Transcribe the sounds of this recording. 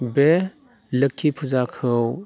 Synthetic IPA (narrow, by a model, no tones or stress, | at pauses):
be | ləkʰːipʰuzakʰɯw